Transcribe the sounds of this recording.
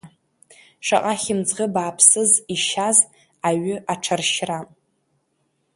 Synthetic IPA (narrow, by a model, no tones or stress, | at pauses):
ʂa̰qʼaχʲɪmd͡zʁəbaːpʰsɨziʃaz | aɥʏʔaʈ͡ʂʰarʃra